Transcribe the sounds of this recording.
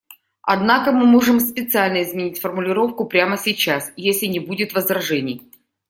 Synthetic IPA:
ɐ̰d̪nakəmɨmo̞ʐɨmspʲɪt̪sɨalʲnəɪzmʲɪnʲitʲfərmʊlʲɪɾo̞fkʊpɾʲaməsʲɪt͡ɕasjesʲlʲɪnʲɪbudʲɪt̪vəzɾɐʐɛnʲɪj

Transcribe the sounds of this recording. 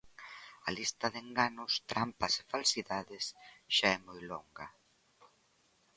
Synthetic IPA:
ɐlist̪ɐðeŋɡanʊst̪ɾampɐsefalsiðaðɪsʃaɛmojlɔŋɡɐ

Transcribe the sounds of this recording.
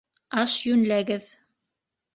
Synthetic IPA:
ɑʃjʉnlæɡɘð

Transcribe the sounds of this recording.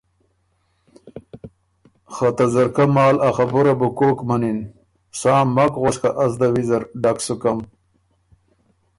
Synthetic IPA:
χat̪azɐɾkamɑːlaxabuɾabukoːkmanin | saːmːakʁoskaʔazd̪awizɐɾɖaksukam

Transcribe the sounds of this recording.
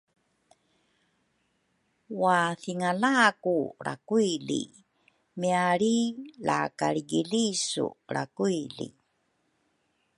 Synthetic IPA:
waθiŋalaːkuɾa̰kuilḭ | miaɾila̰kaɾiɡilisṵɾa̰kuilḭ

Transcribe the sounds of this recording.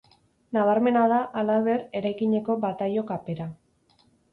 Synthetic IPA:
naβaɾme̞naðaʔalaβe̞ɾe̞ɾajkiɲe̞ko̞bat̪ajo̞kape̞ɾa

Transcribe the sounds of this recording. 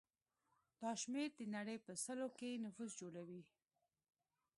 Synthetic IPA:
d̪̥ɑʃmeɾd̪ənaɽəjpəsəlokenʊfusd͡ʒoɽawi

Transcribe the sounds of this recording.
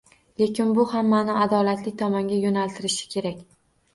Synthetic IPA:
le̞kʲɪnbʊhamːanɪad̪ɒlat̪lɪk̚ʲt̪ʰɒmɒŋɡʲajonalt̪ʰɪɾɪʃɪ̥kʲʰe̞ɾakʲ

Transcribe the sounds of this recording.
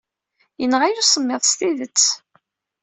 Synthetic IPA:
jənːʁajusˤəmːeðˤst̪iðət͡sː

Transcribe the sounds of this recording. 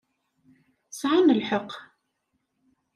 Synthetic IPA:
sʕanəlħəq

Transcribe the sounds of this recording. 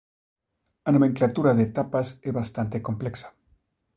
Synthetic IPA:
anomẽŋklat̪uɾaðeːt̪apaseβast̪ant̪eko̞mpleksḁ

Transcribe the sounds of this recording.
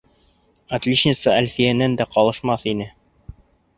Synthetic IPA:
ɐt̪lʲiʃnʲɪt̪sɤælfijænænd̪æqɒlˠɤ̆ʃmɑθinɘ

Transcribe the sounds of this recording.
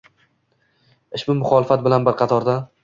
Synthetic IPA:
ɪʃmɪmʊχɒlɪfat̪̚bɪlanbɪɾqʰɑt̪ʰɒɾd̪a

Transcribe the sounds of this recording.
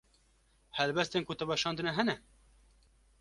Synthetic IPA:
hɛlbɛst̪eːnkot̪ɛbɑʃɑːnd̪ɨnɛɦɛnɛ

